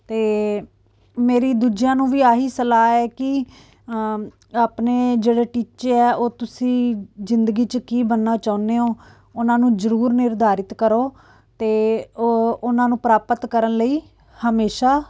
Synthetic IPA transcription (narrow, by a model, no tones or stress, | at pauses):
t̪eː | meːɾiːd̪uːd͡ʒijãːnũːʋiːaːɦiːsəlaːɛːkɪ | aːpneːd͡ʒeːɽeːʈiːt͡ʃeɛːoːt̪ʊsĩːzɪnd̪əɡiːt͡ʃəkiːbənːaːt͡ʃaːʊneːoː | ʊnãːnũːzəɾuːɾnɪɾd̪ʱaːɾɪt̪kəɾoː | t̪eː | ʊnãːnũːpɾaːpət̪kəɾənləiː | həmeːʃaː